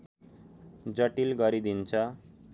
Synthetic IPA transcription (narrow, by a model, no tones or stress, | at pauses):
d͡ʑəʈilɡʌɾid̪int͡ɕʰa